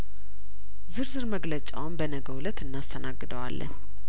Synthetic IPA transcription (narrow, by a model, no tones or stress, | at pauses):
zɨɾzɨɾməɡlət͡ʃʼa̰wmbənəɡəwlət̪ɨnːast̪ʰənaɡːɨd̪əwa̰lːə̰n